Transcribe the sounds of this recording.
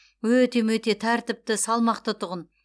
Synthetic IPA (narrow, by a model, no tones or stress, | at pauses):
wɵt̪e̞mwɵt̪e̞t̪ʰæɾt̪ɪp̚t̪ɪsɑlˠmɑqt̪ət̪ʰʊʁən